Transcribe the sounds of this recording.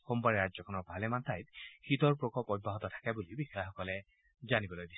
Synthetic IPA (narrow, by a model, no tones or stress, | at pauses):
xombaɾeɾazɔkʰɔnɔbʱalemant̪ajt̪hit̪ɔɹpɹɔkɔpɔj̚baɦɔt̪ɔt̪ʰḁkabulibixaxɔkɔle | d͡ʒanibɔlojd̪is